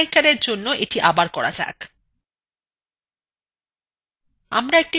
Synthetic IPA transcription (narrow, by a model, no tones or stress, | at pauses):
ikaɾeɾd͡ʑonːoʔeʈiʔabaɾkɔɾa̰d͡ʑa̰k | a̰mɾaek̚ʈi